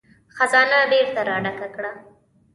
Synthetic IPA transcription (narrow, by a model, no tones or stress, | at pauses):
xazɑnabeɾt̪aɾɑɖakakɽa